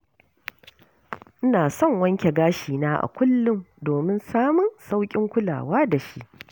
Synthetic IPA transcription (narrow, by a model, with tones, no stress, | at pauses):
ʔɪ˦naː˨sɔ˦˨ŋwɐ˦ŋkʲe˨ɡaː˦ʃiː˨naː˦ʔa̰˨kʷʊ˦lːʊ˦mdoː˨mɪ˦nsaː˦mʊ˨nsa˦wkʲʼɪ˦ŋkʷʊ˦la̰ː˨waː˦da˨ʃi˦ʔ